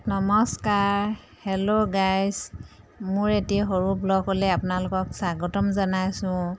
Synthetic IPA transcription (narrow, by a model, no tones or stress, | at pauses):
nɔmɔskaɹ | hɛloɡajs | mʊɹetɛɦoɹublɔɡolɛapʊnalʊkɔksaɡɔtɔmzanajsʊ̃